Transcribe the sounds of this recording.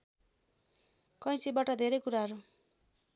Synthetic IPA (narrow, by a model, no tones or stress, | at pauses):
kʌj̃sibaʈʌd̪ʱeɾʌjkuɾaɦʌɾu